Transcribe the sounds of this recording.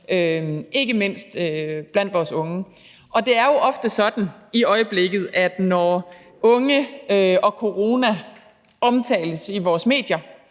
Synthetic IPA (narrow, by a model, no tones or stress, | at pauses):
øʔe̝ɡ̥əme̝n̰sd̥øb̥læn̰d̥ʋɒːsɔ̽ŋə | ʔɒ̽d̥e̝æɐjo̝ʔɒ̽fd̥əsɒ̽d̥n̩iɒ̽ɪəb̥le̝ɡ̥ð̩ˠʔæd̥nɒ | ɔ̽ŋəøʔɒ̽kʰo̝ʁo̝næ | ɒ̽mt͡sʰɛ̰ːləsiʋɒːsme̝̰ːd̥jɐ